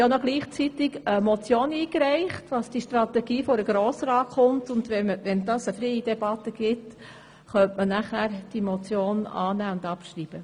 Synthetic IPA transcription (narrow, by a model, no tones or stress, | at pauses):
jonoɡliːχt͡sit̪ɪɡəmɔt͡sjoːniːkɾɛɪχtʋɑsd̥iʃtɾɑt̪ɛɡiːfɔɾəɡ̥ɾoːsɾɑːtχʊmtʊnd̥̪ʋɛməʋɛnd̥ɑsəfɾɛɪidɛb̥ɑtːəɡ̥ɪt | χœntmənæχæːɾd̥imɔt͡sjoːnɑ̰ːnæːʊndɑpʃriːb̥ə